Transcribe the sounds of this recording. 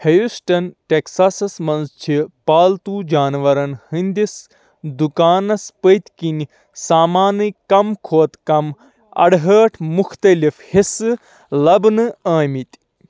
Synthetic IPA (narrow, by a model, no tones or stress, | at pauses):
hɐjusʈɐnʈeksasɐsmɐnzt͡ʃʰipaːlt̪uːd͡ʒaːnʋɐɾɐnhɨnd̪is | d̪ukaːnɐspəjt̪kinʲ | saːmaːnɨkɐmkʰoːt̪kɐm | ɐ̰ɽɦəːʈʰmukʰt̪ɐlifhisɨ | lɐbnɨaːmit̪ʲ